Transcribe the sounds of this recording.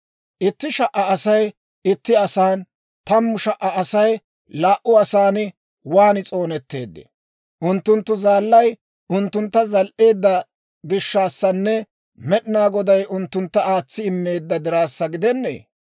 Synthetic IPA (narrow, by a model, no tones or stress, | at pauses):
ʔɪt̪ːɪʃɐʔɐːsɐj | ɪt̪ːɪɐsaːn | t̪ɐmːʊʃɐʔɐɐsɐj | laːʔʊɐsaːnɪ | waːnɪt͡sʼo̞ːnɛt̪ːe̞̰ːd̪ːɛ̰ | ʔʊnt̪ːʊnt̪ːʊzaːlːɐj | ʊnt̪ːʊnt̪ːɐzɐlʔe̞ːd̪ːɐ | ɡɪʃːaːsːɐnːɛ | mɛɗɪnaːɡɔd̪ɐjʔʊnt̪ːʊnt̪ːɐaːt͡sːɪɪmːe̞ːd̪ːɐd̪ɪɾaːsːɐɡɪd̪ɛnːḛː